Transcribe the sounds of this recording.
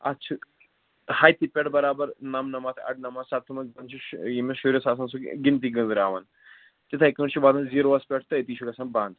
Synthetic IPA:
ɐ̰t͡ʃʰɨ | haːjt̪ipʲeʈbɐɾaːbɐɾnɐmnɐmaːt̪ʰɐ̰ɖnɐmaːzsɐt̪ʰːumɐnzɐnt͡ʃʰijimeʃuɾɐsaːsɐnsukɡint̪̬iɡɨnzɨɾaːʋɐn | t̪it̪ʰɐjkɨʈt͡ʃʰiʋaːd̪ɐnziːɾoːʋɐspʲeʈ̚t̪ɨet̪iːʃʰukɐsɐnbãːnd̪

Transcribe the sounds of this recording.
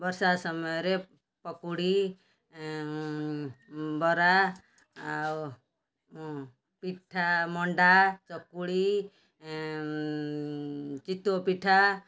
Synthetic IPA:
bʌɾsasɔmɔjɾe | pɔkuɽi | bɔɾa | piʈʰamɔɳɖat͡ʃɔkuɽi | t͡ʃit̪ːopiʈʰa

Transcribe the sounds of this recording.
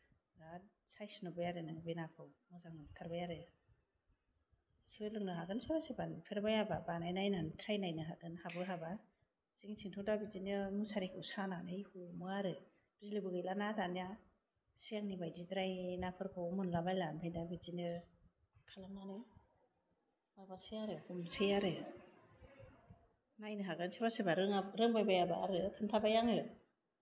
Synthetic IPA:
ɡa | sajsnɔbajaɾɯnɯŋbenapʰɯwmɯzaŋɯkʰaɾbajaɾɯ | siɯlɯŋnɯɦaɡɯnsaɾasebanpʰeɾbajababanajnajnantʰɾajnajnɯɦadɯnhabɯɦaba | ziŋsʰiŋtʰɔdabizinɯmusaɾikʰɯwsananɯjhumɔaɾɯ | b̥izilibɯɡɯjlanatʰanja | sijaŋnibajdidɾajnapʰɯɾkʰomɯnlabajlampʰajdabizinɯ | kʰalamnanɯj | mabasejaɾɯhumsejaɾɯ | najnɯɦaɡɯnsebasebaɾɯŋaɾɯŋbajbajabaa̰ɾɯkʰɯntʰabajaŋɯ

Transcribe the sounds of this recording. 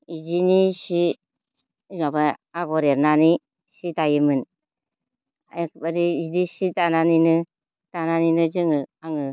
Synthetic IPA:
id͡ʒiniʃi | ɲɔbɛaɡɔɾeɾnani | ʃitajimɨn | akbəɾiidiʃitananinɨ | tananinɨd͡ʒiŋɨaŋɨ

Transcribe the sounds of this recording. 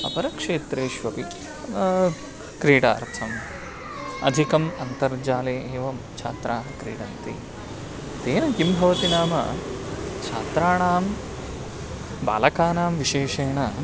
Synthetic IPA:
ɐ̰pɐɾɐkʂeːt̪ɾeːʃʋɐpi | kɾiːɽa̰ːɾʰɐm | ɐ̰d̪ʱikɐmɐnt̪ɐɾd͡ʒaːleːeːʋɐm | t͡ʃʰa̰ːt̪ɾaːɦɐkɾiːɽɐnt̪ḭ | t̪eːnɐkimbʱɐʋɐt̪inaːmɐ̰ | t͡ʃʰa̰ːt̪ɾaːɳaːm | ba̰ːlɐkaːnaːmʋiʃeːʃeːɳɐ

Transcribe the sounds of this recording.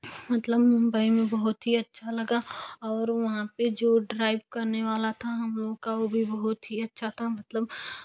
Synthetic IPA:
mɐt̪ləbmʊ̃mbəimẽbɐɦʊt̪ɦiɐtːʃʰalɐɡaɔːɾʋɐɦãped͡ʒoːɖɾaːɪʋkɐɾneʋaːlat̪ʰaɦɐmloːɡkaʋobʱibɐɦɔt̪ɦiɐtːʃʰat̪ʰamɐt̪ləb

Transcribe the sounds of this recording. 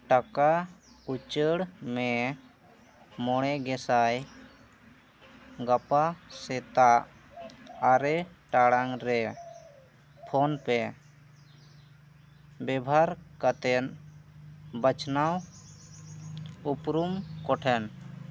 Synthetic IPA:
ʈaka | ut͡ʃəɽme | mɔɽ̃ɛɡɛsaj | ɡəpasɛt̪aʔː | ɾɛʈaɽaŋɾɛ | pʰonpɛ | bɛbʱaɾkət̪ɛn | bət͡ʃnaw | upɾumkɔʈʰɛn

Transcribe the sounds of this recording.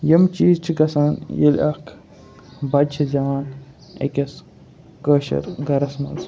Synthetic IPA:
jɐmt͡ʃiːzt͡ʃʰiɡɐsaːnjḛlʲɐ̰kʰ | bɐt͡ʃʰizɐʋaːn | ḛkʲɐs | kəːʃɐ̰ɾɡɐɾɐsmɐ̰ns

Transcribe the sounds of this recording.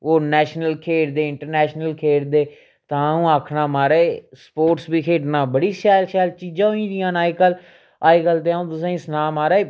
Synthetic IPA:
oːnɛːʃnəlkʰeːɾd̪eːɪɳʈəɾnɛːʃnəlkʰeːɾd̪eː | t̪ãːũːaːkʰnaːmaːɾaespoːʈsbiːkʰeːʈnaːbəɽiːʃɛːlʃɛːlt͡ʃiːd͡ʒãːoĩːd̪ɪjãːnaːikəl | aːikəlt̪eːaũːt̪ʊs̬ãːsnaːmaːɾaːeː

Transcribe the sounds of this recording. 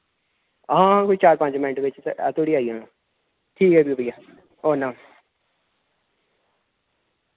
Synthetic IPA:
ɦãːkoit͡ʃaːɾpə̃ɲd͡ʒmɪnʈʋɪt͡ʃt̪ːt̪ʰoːɽiːaːiãːa | ʈʰiːkɦɛːbibəjaː | oːnãː

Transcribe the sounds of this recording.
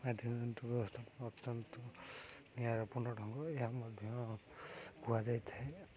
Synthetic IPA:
mad̪ʱjɔnmenʈɔbjɔbɔst̪ʰapɔnɔɔt̪ːɔnt̪ɔniaɾɔpuɾnɔʈʰɔŋɡɔeɦamɔd̪ʱjɔ̃ | ɡuad͡ʒajt̪ʰaɦe

